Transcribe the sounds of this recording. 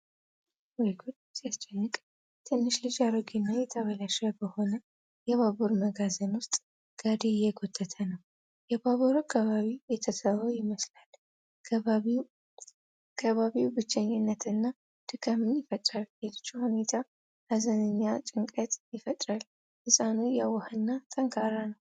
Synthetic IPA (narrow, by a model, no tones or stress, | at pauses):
wɔjɡud̪ | zijast͡ʃʼːɛnːɨkʼ | t̪ʰɨnːɨʃlɨd͡ʒaɾoɡinːajɛt̪ʰəβəlaʃabəho̞nə | jɛβaβuɾməɡazənwʊst̪ʼ | ɡ̥ad̪eɪjɛɡot̪ʰːət̪ʰənəw | jɛbaβuɾakʰːaβaβijɛt̪ʰəsəβəwjɪməslal | kʰəβaβiwbɨt͡ʃːɛɲːɪnːət̪ʰɨnːa | d̪̥ɨɡʰamːɨnjɪfət̪ʼɾalelt͡ʃːuhune̞t̪ʰa | azənɨɲːat͡ʃʼɪŋkʼət̪ʼjɪfət̪ʼɾal | hɨsʼanujawəhɨnːat̪ʼəŋkʰʼaɾanəw